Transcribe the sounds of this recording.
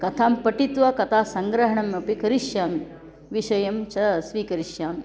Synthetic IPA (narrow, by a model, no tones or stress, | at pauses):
kɐt̪ʰaːmpɐʈit̪ʋɐkɐt̪ʰaːsɐŋɡɾɐɦɐɳɐmɐpikɐɾiʃjaːmi | ʋiʃɐjɐmt͡ʃɐsʋiːkɐɾiʃjaːm